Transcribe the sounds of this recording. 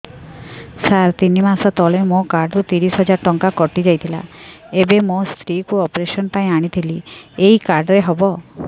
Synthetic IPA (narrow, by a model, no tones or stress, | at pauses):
saɾt̪inimasɔt̪ɔlemokaɾɖɾut̪iɾisɦɔd͡ʒaɾʈɔŋkakɔʈid͡ʒajt̪ʰila̰ | ebemost̪ɾikuɔpɾesɔnpaĩaɽ̃it̪ʰiliejkaɾɖɾeɦɔbɔ